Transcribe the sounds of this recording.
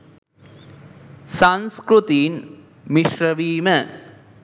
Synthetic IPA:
sɐnskɾut̪iːn | miʂrɐʋiːmɐ

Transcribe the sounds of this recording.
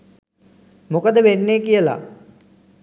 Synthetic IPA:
mokəd̪əʋenːekijəla̰

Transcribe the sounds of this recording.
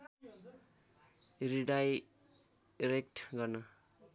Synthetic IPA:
ɾiɖaj | ɾek̚ʈɡʌrnʌ

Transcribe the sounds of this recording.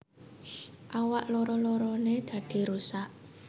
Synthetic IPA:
ʔawaʔlɔɾɔlɔɾɔned̪̥ä̤d̪̥i̤ɾusaʔ

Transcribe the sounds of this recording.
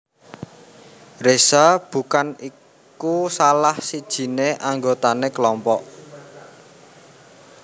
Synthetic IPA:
resab̥ṳkani | kkusalahsid̥ʒ̥i̤neʔaŋɡot̪anekəlɔmpɔʔ

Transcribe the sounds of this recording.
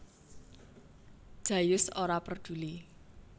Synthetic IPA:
d̥ʒ̥ä̤jʊsoɾapərd̪̥ṳli

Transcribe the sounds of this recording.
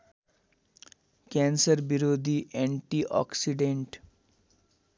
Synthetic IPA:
kɛ̃nsəɾbiɾoːd̪ʱiʔɛ̃ɳʈiʔɔ̰ksiɖẽɳʈ

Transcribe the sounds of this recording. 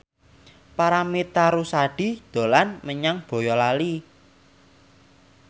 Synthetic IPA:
paɾamit̪aɾusaɖ̥i̤d̪̥o̤lanməɲaŋb̥o̤jɔlali

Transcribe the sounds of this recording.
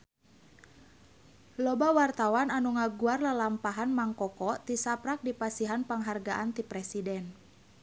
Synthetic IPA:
lɔbawart̪awananuŋaɡuarləlampaɦanmaŋkɔkɔt̪isapɾak̚dipasiɦanpaŋɦarɡaʔant̪ipɾɛsidɛn

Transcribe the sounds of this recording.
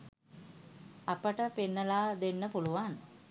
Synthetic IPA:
apəʈəpenːəlaːd̪enːəpuluʋan

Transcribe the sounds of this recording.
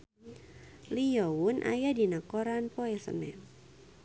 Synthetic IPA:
liɔunʔa̰jadinakɔɾanpɔɛsə̰nɛ

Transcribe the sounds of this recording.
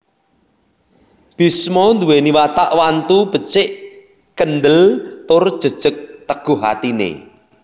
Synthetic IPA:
b̥i̤smɔnd̪uweniwat̪aʔwant̪ub̥ə̤t͡ʃɪʔ | kənd̪əlt̪ʊrd̥ʒ̥ə̤d̥ʒ̥ə̤k̚t̪əɡ̥ʊ̤ɦa̰t̪inḛ

